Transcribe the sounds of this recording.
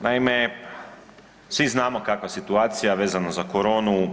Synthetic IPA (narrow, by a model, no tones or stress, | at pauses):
naime | sʋiznaːmo̞kakʋasit̪uaːt̪sijaʋe̞ːzanazakoɾo̞ːnu